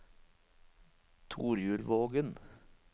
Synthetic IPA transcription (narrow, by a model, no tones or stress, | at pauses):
t̪ʰuːɾjʉːlʋoːɡən